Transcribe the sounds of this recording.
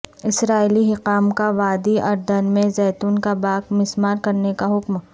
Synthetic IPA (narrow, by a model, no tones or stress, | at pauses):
ɪsɾaːiliɦɪqaːmkaʋaːd̪iɐɾd̪ɐnmẽzɛːt̪uːnkabaːkmɪsmaːɾkɐɾnekaɦʊkm